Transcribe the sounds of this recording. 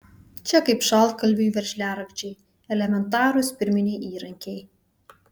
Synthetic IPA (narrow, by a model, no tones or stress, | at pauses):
t͡ʃʲɛkɐɪpʃɑl̚ˠkɐlʲbʲujʋʲɛɾʲʃʲlʲæːɾɐkt͡ʃʲɛː | ɛlʲɛmʲɛnt̪ɑːɾʊspʲɪɾʲmʲɪnʲɛjʔiːɾɐŋʲkʲɛj